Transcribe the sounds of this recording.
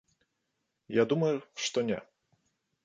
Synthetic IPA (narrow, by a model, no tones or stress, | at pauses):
jad̪umɐjuʂt̪ɔnʲɛ̰